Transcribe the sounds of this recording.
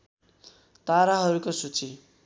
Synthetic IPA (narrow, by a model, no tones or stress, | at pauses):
t̪aɾaɦʌɾukosut͡sʰi